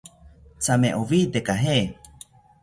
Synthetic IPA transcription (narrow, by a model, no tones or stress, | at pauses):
t͡samẽʔovit̪ekaɦe